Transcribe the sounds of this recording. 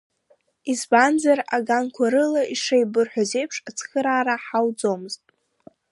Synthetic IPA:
izband͡zaraɡankʷʰaɾɨlaiʂejbɨrħʷᶣaze̞jpʰʂat͡sʰχɨɾaːɾaħawd͡zomɨztʼ

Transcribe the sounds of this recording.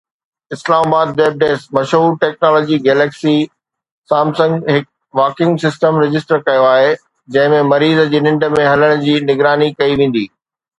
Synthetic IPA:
ɪslaːmaːbaːd̪̚ːeːb̚ɖeːsmɐʃɦuːɾʈeːk̚naːlɔːd͡ʑiɡeːleːksi | saːmsɐ̃ŋɡɦɪk̚ | ʋaːkɪ̃ŋɡsɪsʈəmɾɪd͡ʑɪsʈəɾkɐjoaːɦe | d͡ʑɐ̃ɦɪ̃mẽmɐɾiːzəd͡ʑeːnɪ̃ɳɖə̆mẽɦɐləɽ̃ʊd͡ʑiːnɪɡɾaːnikɐiʋẽːn̆d̪iː

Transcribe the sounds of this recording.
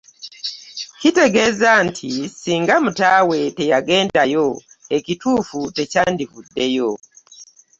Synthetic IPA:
kiteɡeːzantʰisiːŋɡamutawe̞tejaɡeːndajo | ekituːfutecaːndivudːejo

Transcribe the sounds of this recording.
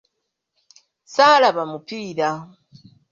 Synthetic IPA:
salaβamupiːɾa

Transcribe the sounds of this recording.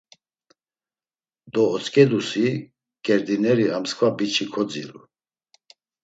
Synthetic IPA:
d̪ɔːt͡sʼkʼɛd̪usi | ɡ̥ɛɾd̪inɛɾiamskʰvabit͡ʃʰikʰɔd͡zḭɾṵ

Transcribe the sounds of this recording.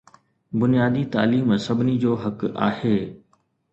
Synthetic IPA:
bʊnijaːd̪it̪a̰ːliːmsɐbʱɪnid͡ʑoːɦɐka̰ːheː

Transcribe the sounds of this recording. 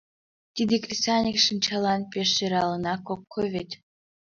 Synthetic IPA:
t̪ʲid̪ʲekrʲisɑnʲikʂɨnt͡ɕɑlˠɑnpʲeʃeɾɑlˠɤ̆nɑkokʰːovʲet̪ʲ

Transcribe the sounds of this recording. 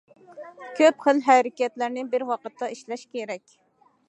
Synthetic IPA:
kʲʰøpχəlɦæɾɪkʲɛt̪læɾnɪbɪɾwɑqət̪ʰːɑiʃlɛʃkʲeɾɛkʲ

